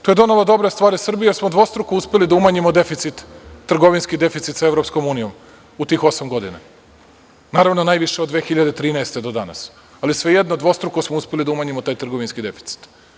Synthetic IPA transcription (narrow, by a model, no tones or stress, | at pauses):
t̪oje̞d̪o̞nalˠod̪o̞bɾest̪ʋaːɾisr̩bijjeɾsmod̪ʋo̞st̪ɾukouspelid̪aumaːɲimod̪e̞fit̪sit̪ːr̩ɡo̞ʋinskid̪e̞fit̪sit̪saeʋvɾopsko̞muːnijo̞m | ut̪iːxo̞samɡo̞d̪ina̰ | naːɾaʋnonaːjʋiʃeod̪ʋe̞ːxiʎad̪et̪ɾiːnɛest̪e̞d̪o̞d̪ana̰s | alisʋe̞jed̪nod̪ʋo̞st̪ɾukosmouspelid̪aumaːɲimot̪aːjt̪r̩ɡo̞ʋinskid̪e̞fi̥t̪si̥t̪